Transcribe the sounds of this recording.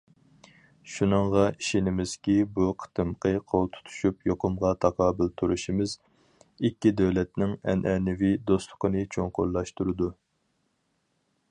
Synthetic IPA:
ʃunɨŋʁɑiʃɪnɪmɪz̥kʲibuqʰə̥t̪ʰɨmqʰəqʰolˠt̪ʰu̥t̪ʰu̥ʃupjoqʊmʁɑt̪ʰɑqʰɑːbɪlt̪ʰuɾuʃimɪz | ikʲːid̪øwlɛt̪nɪŋɛ̰nʔɛnɪvid̪ost̪lˠʊ̥qʰənɨt͡ʃʰoŋqo̰ɾlˠɑʃt̪uɾɨd̪u

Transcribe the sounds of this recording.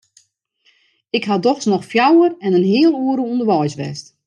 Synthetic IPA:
ɪkɦadɔxsnɔxfjawərɛnənɦɪəlˠuəɾəundəʋɔjsʋɛ̰st

